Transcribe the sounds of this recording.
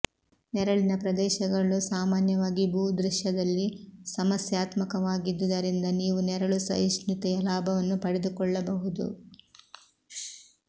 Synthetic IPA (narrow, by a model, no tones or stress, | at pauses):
nɛɾɐɭinɐpɾɐd̪ɛːʃɐɡɐɭusaːmaːnjɐʋaːɡibʱuːd̪ɾiʃjɐd̪ɐlːisɐmɐsjaːt̪mɐkɐʋaːɡid̪ːud̪ɐɾind̪ɐniːʋunɛɾɐɭusɐ̰iʃnit̪ɛjɐlaːbʱɐʋɐnːupɐɽɛd̪ukɔɭːɐbɐɦud̪ṵ